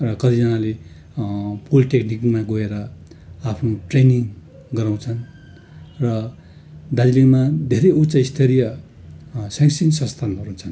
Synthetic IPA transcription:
rʌkʌt̪ʰid͡zʌnale | pulʈeknikmaɡoeɾʌ | apʰnoʈreniŋ | ɡʌɾaw̃t͡sʰʌn | rʌ | d̪ad͡zilimad̪ʱeɾejut͡saist̪ʰeɾijʌ | saŋsinsʌ̃st̪ʰanbʌrũt͡sʰʌn

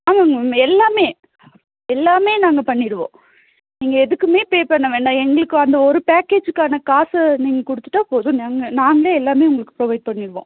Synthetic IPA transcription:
aːʋaŋɡɐɛlːaːmeː | ɛlːaːmeːnaːŋɡɐpɐɳːɪɽɯʋõ̰ː | niːŋɡɐɛðɯkːɯmeːpeːpɐɳːɐʋeːɳɖãːɛŋɡɐɭɯkːɯɐnd̪ɐɔɾɯpaːkeːd͡ʒɯkːaːnɐkaːsɐniːŋɡɐkʊɽɯt̪ːɯʈːaːpoːðʊ̃naːŋɡɐnaːŋɡɐɭeɛlːaːmeːʊŋɡɐɭɯkːɯ̥pɾoːʋɐɪɖ̚pɐɳːɪɾɯʋõ̰ː

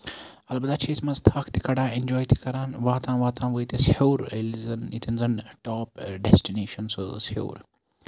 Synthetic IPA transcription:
ɐlbɐd̪aːt͡ʃʰesmɐzt̪ʰaːkʰt̪i̥kɐɽãːend͡ʒɔːjt̪i̥kɐɾaːnʋaːt̪ãːʋaːt̪ãːʋəit̪eshoːɾlzɐnit̪ʰinzɐnʈɔːpɖɛsʈineːʃɐnsɨso̰ːɾ

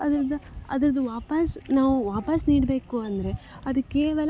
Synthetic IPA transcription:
ɐd̪ɐɾɐd̪uɐ̰d̪ɐɾɐd̪uʋaːpɐsnaːʋuʋaːpɐsniːɽbe̞ːkuɐnd̪ɐɾe̞ | ɐd̪ukːeːʋɐlɐ

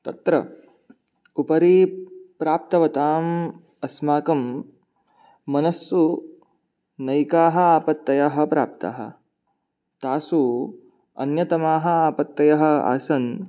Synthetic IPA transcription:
t̪ɐt̪ɾɐ̰ | upɐɾipɾaːp̚t̪ɐʋɐt̪aːm | ɐsmaːkɐm | ɐnɐsːu | nɐjkaːɦɐ̆aːpɐt̪ːɐjɐɦɐ̆pɾaːp̚t̪a̰ːɦɐ̰̆ | t̪aːsu | ɐ̰njɐt̪ɐmaːɦɐ̆aːpɐt̪ːɐjɐɦɐ̆a̰ːsɐn

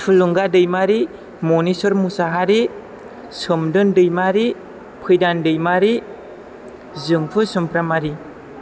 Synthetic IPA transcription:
pʰɯluŋɡadɯjmaɾi | mɔnisɔɾmusaɦaɾi | sɯmdɯndɯjmaɾi | pʰɯjdandɯjmaɾi | zɯŋpʰɯsɯmpɾamaɾi

